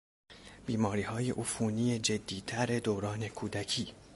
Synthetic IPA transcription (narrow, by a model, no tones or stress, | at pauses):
b̥iːmɒːɾiːhɒːje̞̰ʔufuːniːje̞d͡ʒe̞d̪ːiːt̪ʰæɾe̞d̪oɾɒːne̞kʰuːd̪æcʰiː